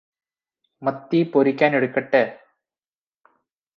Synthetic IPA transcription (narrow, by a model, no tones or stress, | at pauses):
mɐt̪ːipoɾikʲːaːneɽukːɐʈːeː